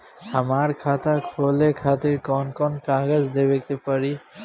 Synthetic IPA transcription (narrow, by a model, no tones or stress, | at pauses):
həmaɾkʰaːt̪akʰoːlekʰaːt̪ɪɾkɔnkɔnkaːɡəzd̪eːbekepəɾi